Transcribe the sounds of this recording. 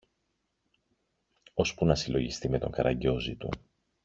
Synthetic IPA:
o̞spunɐsilo̞ʝist̪ime̞t̪o̞̰ŋkɐɾɐɲɟo̞zit̪ṵ

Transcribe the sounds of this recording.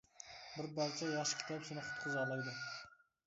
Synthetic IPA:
bɪɾbɑɾt͡ʃʰɑjɑʃə̥kʲʰɪ̥t̪ʰɑpsinəqʰʊ̥t̪qʰəzɑlˠɑjd̪ə

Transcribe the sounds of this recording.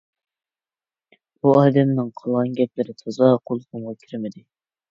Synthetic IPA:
b̥uɑːd̪ɛmnɨŋqʰəlˠʁɑnɡʲɛp̚lɪɾɪt̪ʰɑzɑqʰolˠq̪ʊɴʁɑkʲʰiɾmɪd̪ɪ

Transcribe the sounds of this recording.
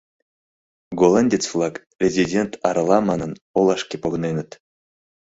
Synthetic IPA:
ɡolˠanʲdʲet͡sflˠɑk | rʲezʲidʲent̪ɑɾɑlˠɑmɑnɤ̆n | olˠɑʂkʲepoɡnenə̆t̪

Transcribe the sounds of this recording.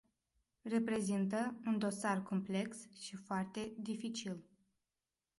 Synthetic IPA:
re̞pɾe̞zint̪əund̪o̞sarko̞mple̞ksʃifoart̪e̞d̪ifit͡ʃil

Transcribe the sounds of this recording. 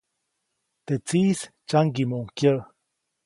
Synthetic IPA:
t̪et͡siːst͡ʃaŋɡimoŋkjə

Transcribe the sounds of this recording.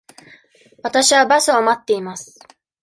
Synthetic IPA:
βat̪aɕiβabasoamat̪ːe̞imasɨ̥

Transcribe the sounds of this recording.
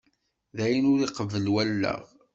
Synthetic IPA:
ðæjənʊɾiqəvəlwælːə̰ʁ

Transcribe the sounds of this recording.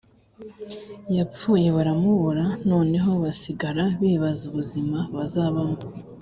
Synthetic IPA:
japp͡fuːje̞βaɾamuβuɾano̞ːne̞ɦo̞βasiɡaɾaβiːβazuβuzimaβazaːβamo

